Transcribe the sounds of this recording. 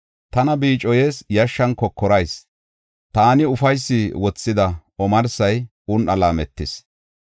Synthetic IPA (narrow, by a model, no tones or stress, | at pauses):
t̪ɐnɐbiːt͡ʃʼːɔje̞ːsjɐʃːɐnkɔkːɔɾɐjs | t̪aːnɪʊfɐjsːɪwɔt͡sːɪd̪ɐɔmɐɾsɐj | ʊnʔɐlaːmɛt̪ːɪs